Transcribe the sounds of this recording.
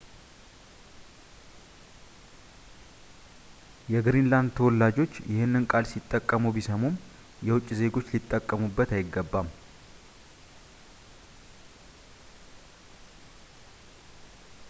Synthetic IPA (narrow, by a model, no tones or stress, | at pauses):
jɛɡɨɾinland̪̚t̪ʰəwɔlːad͡ʒo̞t͡ʃːjɪhɨnːɨnkʼalsit̪ʼːəkʼːəmubisəmom | jɛwʊt͡ʃʼːze̞ɡo̞t͡ʃːlɪt̪ʼːəkʼːəmubːət̪ajɪɡːəbːam